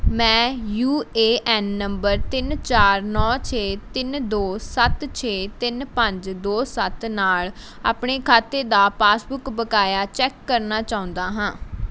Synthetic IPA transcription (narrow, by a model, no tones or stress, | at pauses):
mɛ̃ːjuːeːʔɛːnːəmbəɾt̪ɪnt͡ʃaːɾnɔːt͡ʃʰeːt̪ɪnd̪oːsət̪t͡ʃʰeːt̪ɪnpəɲd͡ʒd̪oːsət̪naːl | a̰ːpɳeːkʰaːt̪eːd̪aːpaːsbʊkbəkaːjaːt͡ʃɛːkːəɾnaːt͡ʃaːʊ̃nd̪aːɦãː